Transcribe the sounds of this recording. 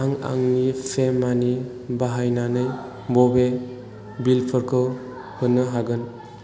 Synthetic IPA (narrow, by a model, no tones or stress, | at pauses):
aŋa̰ŋnipʰemːani | baɦajnanɯj | bɔbe | bilpʰɯɾkʰɯ | hɯnːɯɦaɡɯn